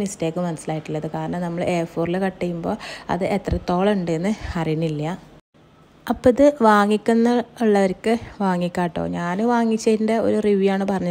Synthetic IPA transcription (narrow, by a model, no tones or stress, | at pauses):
nisteːkːɨmɐnɐsːilaːjiʈːilːɐðɨkaːɾɐɳɐmnɐmːɐɭeːfoːrilekɐʈːijumbo̞ːɐ̰ðɨʔet̪rɐt̪ːo̞ːɭɐuɳɖɨenːɨɐrijnilːɐ | ɐpːoiðɨʋaːŋːikʲːunːɐuɭːɐʋɐɾkːɨʋaːŋːikʲːaːʈːo̰ːɲaːnɨʋaːŋːit͡ɕːɐðinde̞o̞̰ɾuriʋijaːɳɨpɐrɐɲːɐ